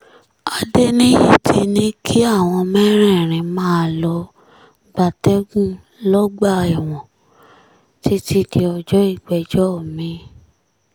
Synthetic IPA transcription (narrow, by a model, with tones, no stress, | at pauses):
a˧de˦nĩ˦jḭ˦˨tʰi˧nĩ˦kʰi˦a˦˨w̃ɔ̃˧mɛ˦ɾ̃ɛ̃˦˨ɾ̃ĩ˧mãː˦lɔ˧ | ɡ͡ba˨tɛ˦ɡũ˦ | lɔ˦ɡ͡ba˦˨i˨w̃ɔ̃˨ | ti˦ti˦di˧ɔ˧d͡ʒɔ˦i˦˨ɡ͡bɛ˧d͡ʒɔ˦o˦˨mĩ˧˦